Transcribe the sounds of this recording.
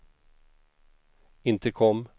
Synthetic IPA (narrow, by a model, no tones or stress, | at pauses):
ɪnt̪əkʰɔmː